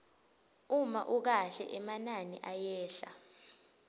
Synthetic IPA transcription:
umaʔuk̬aɬɛ̰ʔɛmananiʔajɛːɬa̰

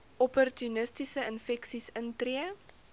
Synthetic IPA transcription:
ɔpɔrtunəstisəənfɛksisəntriə

